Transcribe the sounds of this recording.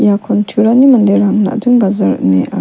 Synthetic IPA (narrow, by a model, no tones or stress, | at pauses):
jakʰɔntʰuɾanimɐndeɾaŋna̰dɯŋɡazaɾɐ̰k̚neʔa̰